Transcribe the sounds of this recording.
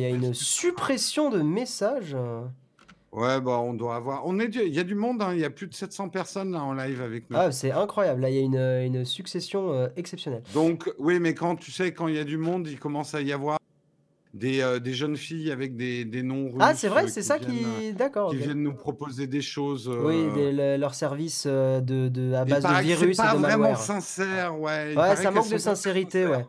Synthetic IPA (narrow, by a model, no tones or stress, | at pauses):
ljaynsypχesjɔ̃d̪əmesaʒ | wɛbaɔ̃d̪waːvwaʁɔ̃nɛd̪øiljad̪ymɔ̃d̪ɛ̃iljaplyd̪əsɛt̪sɑ̃pɛʁsɔnlaɑ̃lajvavɛknuasɛɛ̃kχwajablːailjaynøynsyksesjɔ̃øɛksɛpsjɔnɛld̪ɔ̃kwimɛkɑ̃t̪y̥sɛkɑ̃iljad̪ymɔ̃d̪ilkɔmɑ̃saijavwaʁ | d̪eød̪eʒənfijavɛk̚d̪ed̪enɔ̃ʁasɛvʁɛsɛsakkid̪akɔʁoivjɛnːnupχɔpozed̪eʃozwid̪eləlœʁsɛʁvisød̪əd̪əabazd̪əviʁysadəvmaʁɛmɑɛ̃ʁsɛ̃sɛʁwɛwɛsamɑ̃k̚d̪əsɛ̃seʁit̪ewɛ